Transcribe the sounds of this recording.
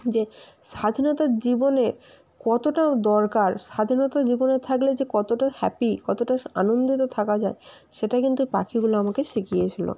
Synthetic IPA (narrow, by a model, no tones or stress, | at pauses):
d͡ʑeʃad̪ʱinot̪aɾd͡ʑibone | kɔt̪oʈad̪ɔɾkaɾʃad̪ʱinot̪ad͡ʑibonet̪ʰakled͡ʑekɔt̪oʈahɛ̰pikɔt̪oʈaa̰nond̪it̪ot̪ʰakad͡ʑae | ʃeʈakint̪upakʰiɡuloamakeʃikijet͡ɕʰilo̰